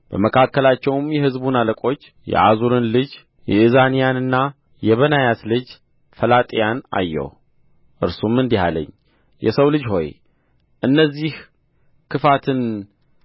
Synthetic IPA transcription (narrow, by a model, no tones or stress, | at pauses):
b̥əməkʰakːəlat͡ʃːɛwmjɛhɨzbunaləkʼo̞t͡ʃː | jɛ̰ʔazuɾɨnlɨd͡ʒ | jɛɨzanijanɨnːa | jɛβənajat̪lɨd͡ʒ | fəlat̪ʼijana̰jːɛ̰w | ʔɨɾsumɨnd̪iɦa̰lə̰ɲː | jʔɛ̰səwlɨd͡ʒho̞̰j | ʔɨnːəzːih | kʰɨfat̪ʰɨn